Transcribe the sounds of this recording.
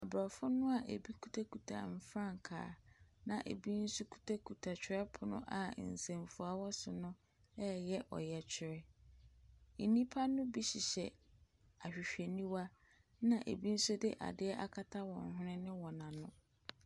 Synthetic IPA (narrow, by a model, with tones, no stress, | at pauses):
a˨bɾɔ˨fʊ˦nʊ̃˦a˨ʔe˨bi˦kʰu˦tʰa˦ku˨tʰa̰˨m̩˨fɾã˦˨ŋ˨kʰa̰ː˨nã˨ʔḛ˨bi˦n̩˦su˦kʰu̥˦˨tʰa˦kʰu˨tʰa˨t͡ɕʰᶣɪ˦ɾɛ˦pʰʊ˨nʊ̃˦ʔa˨n̩˨sẽ˨mfu˨a˦wɔ˦sʊ˨nʊ̃˦ | ɛ˦jɛ˦ʔɔ̰˨jɛ˨t͡ɕᶣʰɪ˨ɾɛ˦ | n̩˨nĩ˦pʰa˦nʊ̃˦bi˦ɕɪ˨ɕɛ˨ | a˨ɕᶣɪ˨ɕᶣe˨nĩ˦wa˦ | nã˨ʔḛ˨bi˦n̩˦sʊ˦de˦ʔa̰˨dɪ˦ɛ˦ʔa˦kʰa˦tʰa˦wɔ̃˨nɦʊ̃˦nɪ̃˦nɪ̃˦wɔ̃˨nã˨nʊ̃˦